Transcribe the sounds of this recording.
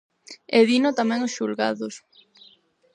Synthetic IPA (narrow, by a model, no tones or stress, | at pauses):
eðinot̪amɛ̃ŋosʃulɣa̰ðʊs